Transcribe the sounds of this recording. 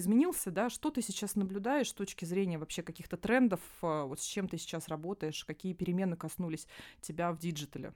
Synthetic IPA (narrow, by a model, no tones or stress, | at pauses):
ɪzmʲɪnʲilˠsʲəd̪aʂt̪o̞t̪ɨsʲɪt͡ɕasnəblʲʊd̪ajɪʂst̪o̞t͡ɕkʲɪzɾʲenʲɪjəvɐpɕekɐkʲixt̪ət̪ɾɛnd̪əfvo̞t̪sʲt͡ɕe̞mt̪ɨsʲɪ̥t͡ɕasrɐbo̞t̪əjɪʂkɐkʲijəpʲɪɾʲɪmʲe̞nːɨkɐsnulʲɪsʲtʲɪbʲavdʲiʐɨt̪əlʲɪ̰